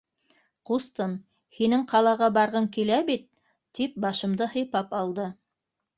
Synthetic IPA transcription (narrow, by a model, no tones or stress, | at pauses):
qust̪ɤm | hinɘŋqʰɑlˠɑʁɑbɑɾʁɤŋkilæbit̪ː | ip̚bɑʃɤ̆md̪ɤhɤ̆jpɑpɑlˠd̪ɤ